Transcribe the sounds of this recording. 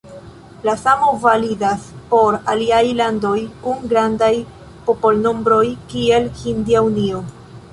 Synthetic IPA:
lasamo̞validaspo̞ɾaliajlando̞jkunɡɾandaj | po̞po̞lno̞mbɾo̞jkie̞lhindiaunio̞

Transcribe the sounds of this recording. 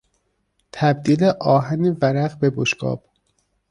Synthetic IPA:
t̪ʰæb̚d̪iːleʔɒːɦænevæɾæɣbeboʃɡɒ̰ːb̥

